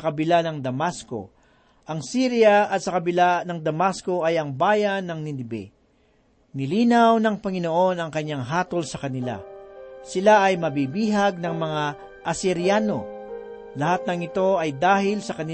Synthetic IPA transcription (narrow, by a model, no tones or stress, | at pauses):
kɐbɪlanɐŋd̪ɐmasko̞̰ | ʔɐŋsiɾɪjɐɐt̪̚sɐkɐbɪlanɐŋd̪ɐmasko̞ɐjɐŋbaːjɐnːɐŋnɪnɪbɛ̰ | nɪliːnɐwnɐŋpɐŋɪnoʔo̞nɐŋkɐɲːaŋɦaːt̪olsɐkɐnɪla̰sɪlaʔɐjmɐbibiːɦɐɡ̚nɐŋmɐŋa | ʔɐsɪɾjaːno̞ | lɐhat̪̚nɐŋɪt̪o̞ʔɐjd̪aːhɪlsɐkɐnɪ